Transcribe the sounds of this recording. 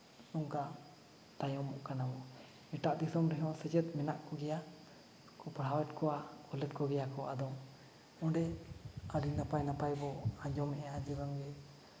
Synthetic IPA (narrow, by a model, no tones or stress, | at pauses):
nɔŋka | t̪ajɔmɔʔkanabɔ | ɛʈaʔd̪isɔmɾɛɦɔ̃sɛd͡ʒɛt̪̚ˀmɛnaʔkɔɡɛja | kɔpaɽ̤awɛt̪kɔwaɔlɛt̪̚kɔɡɛjakɔʔad̪ɔŋ | ɔ̃ɖɛalinapajnapajbɔaɲd͡ʒɔmɛʔɛad͡ʒɛɾɔŋɡɛ